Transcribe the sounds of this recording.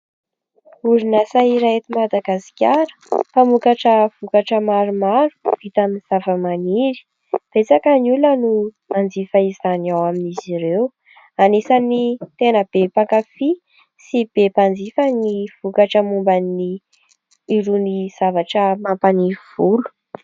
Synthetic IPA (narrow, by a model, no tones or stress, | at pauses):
uɾinasaiɾaet̪imad̪aɡasi̥kʲaɾə̥pamukaʈ͡ʂəv̥ukaʈ͡ʂəmaɾumaɾu̥v̥it̪aminiz̥avəmaniɾi̥ | b̥et͡sakanulənu | and͡zifəizanawaminiziɾew | anesanit̪enəb̥epakafi | sib̥epand͡zifaniv̥ukaʈ͡ʂəmumbanːiː | ɾuniz̥avaʈ͡ʂəmapaniv̥ulu̥